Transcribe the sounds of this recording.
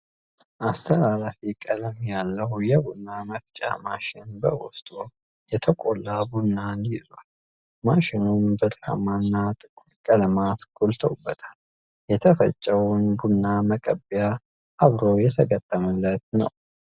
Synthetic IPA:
ʔast̪ʰəlalafikʼələmjalːəhjɛbunːaməft͡ʃʼa̰maʃɪnbəwɔst̪ʼo | jɛt̪ʰəkʼolːabunːanizwal | maʃɪnumbət̪ʼɾa̰manːat̪ʼɨkʼːulkʼələmat̪ɡ̥olt̪ʰəwubːət̪ʰḁl | jɛt̪ʰəfə̰t͡ʃʼːəwunbunːaməkʼəbija | ʔaβɾojɛt̪ʰəɡət̪ʼːəməlːət̪̚nə̰w

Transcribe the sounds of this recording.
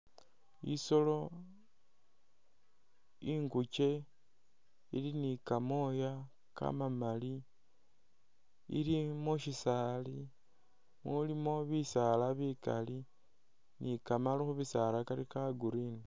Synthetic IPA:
ḭso̞lo̞ | iŋɡut͡ʃe̞ | ḭlinikamoja | ka̰mamali | ḭlimuʃisali | mulimo̞βisalaβikali | nʔikamalixuβisalakalikaɡuɾini

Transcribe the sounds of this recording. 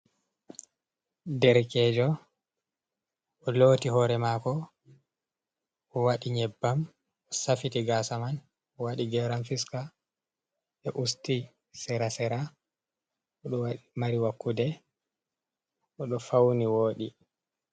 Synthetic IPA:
dɛɾkɛd͡ʒɔ | ʔɔloːtiɦɔɾɛmaːkɔ | ʔɔwaɗiɲɛbːam | ɔsafitiɡasaman | ɔwaɗiɡɛɾamfiska | ɛʔusti | sɛɾasɛɾa | ɔɗɔwaimaɾiwakːudɛ | ʔɔɗɔfawniwoːɗi

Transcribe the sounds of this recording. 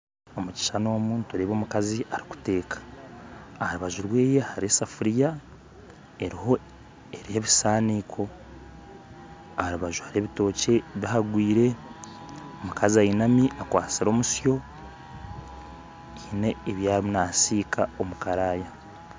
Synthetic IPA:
omuci̥ʃano̞ːmuːntuɾeβo̞ːmukaziaɾiku̥te̞ːkḁː | haɾuβaʒuɾwe̞ːje̞haɾiesafuɾija | eɾiho̞ | eɾihe̞βisaːniːkʰo̞ | ahaɾuβaʒuhaɾieβito̞ːce̞βiɦaɡwiːɾe̞ | omukaziajinamiʔakwaːt͡siɾo̞ːmusjo̞ | ine̞βjaːɾimunaːsiːkʰaomukaɾaːja

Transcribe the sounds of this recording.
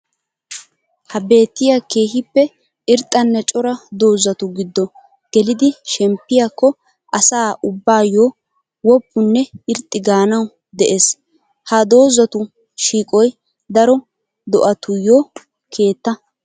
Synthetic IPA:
hɐbe̞ːt̪ːɪjake̞ːɦɪpːɛ | ɪɾt̪ʼːɐnːɛt͡ʃʼɔɾɐd̪o̞ːzɐt̪ʊɡɪd̪ːɔ | ɡ̥ɛlɪd̪ɪʃɛmpːɪjakːɔ | ʔɐsaːʔʊbːaːjoː | wɔpːʊnːɛɪɾt̪ʼːɪɡaːnɐw | d̪ɛʔeːs | hɐd̪o̞ːzɐt̪ʊ | ʃiːkʼɔj | d̪ɐɾɔ | d̪ɔʔɐt̪ʊjoː | kʰe̞ːt̪ːɐ

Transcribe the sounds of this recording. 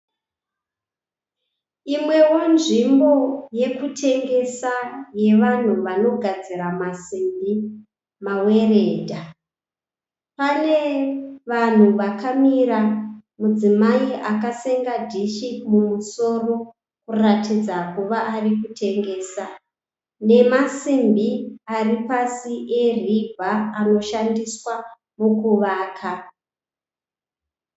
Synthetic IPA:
imwe̞wo̞nʐimbo̞je̞kutʰe̞ŋɡe̞saje̞ʋan̤uʋano̞ɡʱad͡ziɾamasimbi | mawe̞re̞ːdʱa | pane̞ʋan̤uʋakamiɾamud͡zimaiʔakase̞ŋɡadʱiʃimumuso̞ro̞ | kuratid͡zakuʋaʔarikutʰe̞ŋɡe̞ːsa | ne̞masimbiaripasiʔe̞ribʱaːno̞ʃandiswa | mokuʋaːkʰa

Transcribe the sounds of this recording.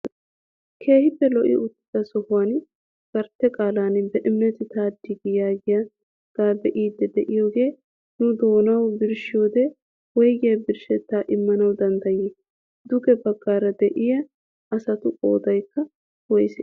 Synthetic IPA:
kʰe̞ːhɪpːɛlɔʔɪ̰ʔʊt̪ːɪd̪ɐsɔhʊwaːn | ɡ̥ɐɾt̪ːɛkʼaːlaːnbɛʔɪmːɛt̪ɪt̪aːd̪ːɪɡɪjaːɡɪja | ɡ̪̥aːbɛʔiːd̪ːɛd̪ɛʔɪjoːɡe̞ː | nʊd̪o̞ːnɐwbɪɾʃɪjoːd̪ɛ | wɔjɡɪjɐbɪɾʃɛt̪ːaːʔɪmːɐnɐwd̪ɐnd̪ɐjɪ | d̪ʊɡɛbɐɡːaːɾɐd̪ɛʔɪjɐ | ɐsɐt̪ʊʔoːd̪ɐjkːɐ | wɔjsɛ

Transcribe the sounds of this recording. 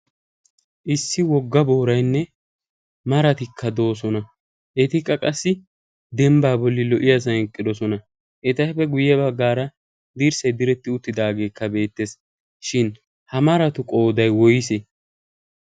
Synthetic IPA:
ʔɪsːɪwɔɡːɐboːɾɐjnːɛ | mɐɾɐt̪ɪkʰːɐd̪o̞ːsɔnɐ | ʔɛt̪ɪkʼːɐkʼɐsːɪ | d̪ɛmbaːbɔlːɪlɔʔɪjas̬ɐhɛŋkʼːɪd̪ɔsɔnɐ | ʔɛt̪ɐjfɛɡʊjɛbɐɡːaːɾɐ | d̪iːɾsɐjd̪ɪɾɛt̪ːɪʊt̪ːɪd̪aːɡe̞ːkːɐbe̞ːt̪ːeːs | ʃɪn | hɐmɐɾɐt̪ʊkʼo̞ːd̪ɐjwɔjɪsɛ

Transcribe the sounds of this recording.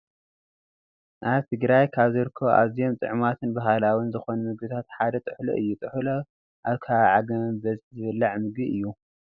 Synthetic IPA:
ʔaβt̪ʰɨɡɾajkʰaβzɨɾɨkʰːoʔa̰βzijo̞mt̪ʼɨ̰ʕmat̪ʰɨnbaɦalawinzɨxonumɨɡbɨt̪ʰat̪ħad̪ɐt̪ʼɨħlo̰ʔɨjːut̪ʼɨħlo | ʔaβkʰaβʕaɡɐbɐzʼzɨβɨlːaʕmɨɡiʔɨjːu

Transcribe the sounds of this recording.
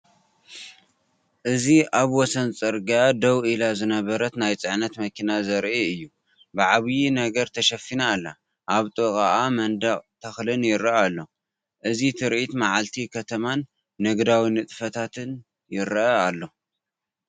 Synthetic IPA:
ʔɨziʔaβwɔsɐnt͡sʼɐɾɡad̪ɐwʔilazɨnɐβɐɾɐt̪najt͡sʼɨʕnɐt̪mɐkʰinazɐɾʔiɨjːu | bɨʕaβjinɐɡɐɾt̪ʰɐʃɐfinaːlːa | ʔaβt̪ʼɨkʼaʔamɐnd̪aχʼt̪ʰɐxlɨnjɪɾalːo̞ | ʔɨzit̪ʰɨɾʔit̪maʕalt̪ʰikʰɐt̪ʰɐmanː | ɨɡd̪awinɨt̪ʼfɐt̪ʰat̪ʰɨn | jɪɾɐalːo̞

